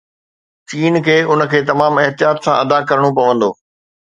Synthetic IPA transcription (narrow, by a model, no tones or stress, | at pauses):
t͡ɕiːnkʰeːʊnə̆kʰeːt̪ɐmaːmɐɦt̪ɪjaːt̪sãʔɐd̪akɐɾəɽ̃opɐʋə̃nd̪oː